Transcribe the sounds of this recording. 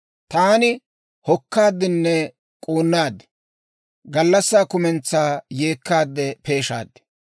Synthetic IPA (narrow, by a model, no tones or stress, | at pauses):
t̪aːnɪ | hɔkːaːd̪ːɪnːɛ | kʼoːnːaːd̪ɛ̥ | ɡɐlːɐsːaːkʊmɛnt͡sːaːje̞ːkːaːd̪ːɛpe̞ːʃa̰ːd̪ːɛ̥